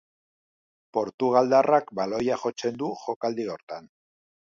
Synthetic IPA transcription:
po̞ɾt̪uɣ̞ald̪arakbalo̞jaxo̞t͡se̞nd̪uxo̞kald̪io̞ɾt̪an

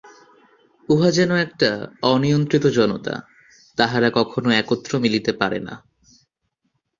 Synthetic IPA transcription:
uɦad͡ʑɛnoɛk̚ʈaɔnijont̪ɾit̪od͡ʑɔnot̪a̰ | t̪aɦaɾakɔkʰonoɛkot̪ːɾomilit̪epaɾḛna̰

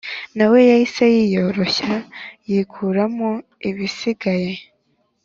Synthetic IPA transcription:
nawe̞jaisajijo̞ːɾo̞çajiːkʰuɾamo | iβisiɡaje̞

